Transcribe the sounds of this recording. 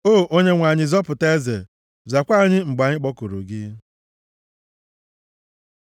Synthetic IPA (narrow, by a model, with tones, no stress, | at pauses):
o˦˨ʔo˦ɲe˦ŋʷa˨ɲɪ˨zɔ˦pʊ˨ta˦ze˨ | za˨kʷa˦˨ɲɪ˦ŋ͡m̩˨ɡ͡ba˨ɲɪ˦k͡pɔ˦ku˨ɾṵ˨ɡɪ˦